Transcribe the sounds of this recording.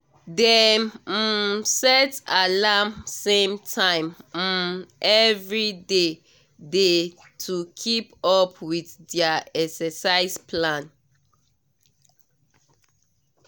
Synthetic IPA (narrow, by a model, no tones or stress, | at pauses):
dɛ | sɛtalamsẽmtʰãɪ̃m̩mʔɛvɹide | de | tʰukʰipɔpʰwiθdaɛksɛsaɪspʰlãn